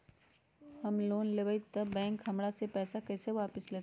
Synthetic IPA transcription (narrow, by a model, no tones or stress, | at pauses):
hɐmloːnleʋəit̪ɐbɛ̃ːŋkɦɐmɽasepɛːsakɛːseʋaːpɪsleːt̪